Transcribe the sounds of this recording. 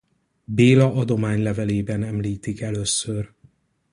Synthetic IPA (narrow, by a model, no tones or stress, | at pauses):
beːlɒʔɒd̪o̞maːɲlɛvɛleːbɛnɛmliːt̪ikɛløːsːør